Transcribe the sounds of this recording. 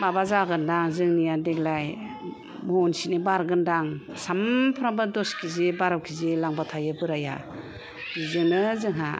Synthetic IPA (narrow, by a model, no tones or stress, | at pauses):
babazaɡɯndaŋzɯŋnijadeklaj | mɔnsinebaɾɡɯndaŋsampʰɾabadɔskʰizebaɾawkʰizelaŋbatʰajɯbɯɾaja̰ | b̥izɯŋnɯzɯŋɦa̰